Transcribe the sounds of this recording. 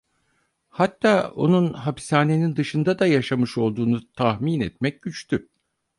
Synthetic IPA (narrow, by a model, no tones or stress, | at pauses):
hat̪ʰːaːo̞̰nunɦapi̥saːne̞nind̪ɯʃɯnd̪ad̪ajaʃamɯʃo̞lˠd̪uːnut̪ʰahminɛt̪mɛc̚ɟyt͡ʃt̪ʰy